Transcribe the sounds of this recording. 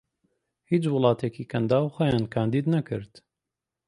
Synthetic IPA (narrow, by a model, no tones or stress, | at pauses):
hiːt͡ʃwʊlˠɑːt̪ʰeːkiːkʰɐnd̪aːwxojaːnkʰaːnd̪iːd̪nɐkɨ̰ɾt̪